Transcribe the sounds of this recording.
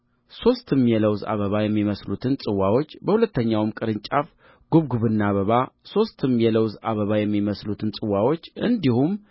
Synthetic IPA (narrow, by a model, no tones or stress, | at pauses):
so̞st̪ɨmjɛləwza̰βəβajɛmːiməslut̪ʰɨnsʼɨwawo̞t͡ʃːbəhulət̪ːəɲːawmkʼɨɾɨɲt͡ʃʼaf | ɡ̥uβɡuβɨnːaβəβaso̞st̪ʰɨmːjɛləwza̰βəβajɛmːiməslut̪ʰɨnsʼɨwawo̞t͡ʃːʔɨ̰nd̪ihum